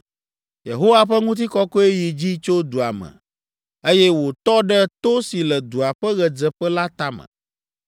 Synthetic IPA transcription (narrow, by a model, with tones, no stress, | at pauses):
je˨ɦo˦wa˦ɸɛ˦ŋũ˦t̪̬i˦kɔ˦kɔ˦e˦ji˨d͡ʑi˦t͡ʃo˦d̪u˨a̰˨mɛ̰̃˨ | e˦jɛ˦wo˨t̪ɔ˦ɖɛ˦t̪o˦si˨lɛ˨d̪u˨a˨ɸɛ˦ɣɛ˨d͡zɛ˨ɸɛ˦la˦t̪a˦mə̰̃˨